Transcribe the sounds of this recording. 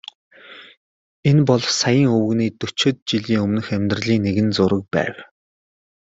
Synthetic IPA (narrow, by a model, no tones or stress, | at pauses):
enpɔɮsajə̆ŋɵwɵ̆ɣniːt̪ɵt͡ɕʰɪ̆t̪̚t͡ɕiɮiːŋɵmnɘ̆xæmʲt̪rəɮiːŋneɣɘ̆nt͡sʊɾə̆k̚pæ̰ːw